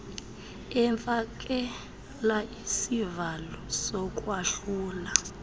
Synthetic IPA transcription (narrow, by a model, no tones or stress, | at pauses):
ɛɱfak̬ʼɛ | laisivalɔsɔk̬ʼwaʃuːla